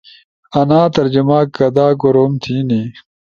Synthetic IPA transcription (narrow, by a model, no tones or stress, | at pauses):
ɐnaːt̪ɐɾd͡ʑumaːkːɐd̪aːɡoɾoːmt̪ʰiːni